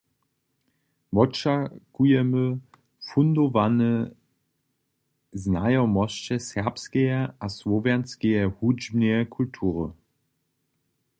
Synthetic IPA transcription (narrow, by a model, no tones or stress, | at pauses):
mɔt͡ʃakujɛmə | fundovanə | znajɔmɔst͡ɕɛsɛʁpskejɛasvɔvɛɐnskejɛhud͡ʒmneɛkʰultʰuːʁə